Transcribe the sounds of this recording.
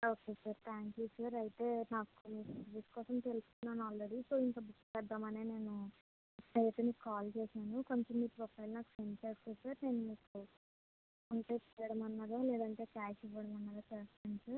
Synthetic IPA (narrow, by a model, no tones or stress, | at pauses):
oːkeːsaɾt̪ʰaːŋkjuːsaːɾɐjt̪e̞ːnaːkumisʋiskɔːsɐmt̪eluskunːaːnuaːlɾeɽisoːiŋkaːbispɛd̪ːaːmɐneːne̞ːnu | ɐjt̪unikaːlt͡ʃɛːʃaːnuko̞ɲt͡ʃɐmiʈpɾoɔpʰɐjlunaːku̥fɾent͡ʃeːskusaːɾne̞ːnumiko | uɳʈe̞ːt͡ʃɛɐɽɐmɐnːaɾaːlɛːd̪ɐɳʈe̞ːkaːʃipɔɽɐmɐnːaːɾaːt͡ʃɛːst̪aɳisa